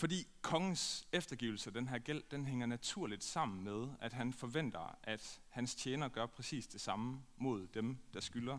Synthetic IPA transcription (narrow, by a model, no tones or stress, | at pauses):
fɒ̽d̥ḭːkʰɒ̽ŋn̩sefd̥ɐɡ̥iʊl̩səæd̥enɦæɐ̰ɡ̥el̰d̥enɦeŋɐnæt͡sʰuɐ̰lid̥sɑ̈m̰n̩með̞ˠæd̥ɦænfɒ̽ʋen̰d̥ɐʔæd̥hænst͡sʰjeːnɐɡ̥ɶɐpʰʁɛsḭːsd̥e̝sɑ̈məmo̝ð̞̰ˠd̥emd̥ɑ̈sɡ̥ylɐ